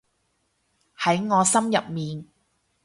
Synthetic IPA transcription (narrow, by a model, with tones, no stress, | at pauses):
hɐ˨˥jŋɔː˨˧sɐ˥mjɐ˨p̚miː˨n